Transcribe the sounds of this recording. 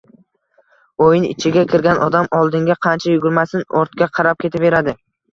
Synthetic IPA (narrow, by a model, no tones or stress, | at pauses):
ojɪnɪ̰t͡ʃʰɪɡʲakʲʰɪɾɡʲanʔɒd̪amɒlˠd̪ɪŋɡʲaqʰɑnt͡ʃʰajʊɡʊɾmasɪnɒɾt̪kʲaqʰɑɾap̚kʲʰe̞t̪ʰɪpbe̞ɾad̪ɪ